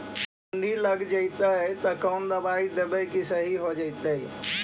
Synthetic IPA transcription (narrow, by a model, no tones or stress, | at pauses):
uniləɡd͡ʒəɪt̪ət̪ɔkənd̪əbaid̪ebəjkisəɦiɦod͡ʒəjt̪ə